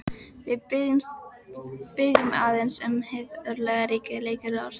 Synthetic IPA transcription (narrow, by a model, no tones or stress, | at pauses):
vɪðp | pɪðʏmaːðɛnsʏmhɪðœɾlɛɣaɾiːkɪleːjkɪɾaɾ̥